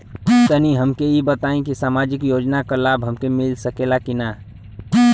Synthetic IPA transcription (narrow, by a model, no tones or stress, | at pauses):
t̪əniɦəmkeibət̪aːĩkisaːmad͡ʒɪkjoːd͡ʒnakalaːbɦəmkemɪlsəkelakina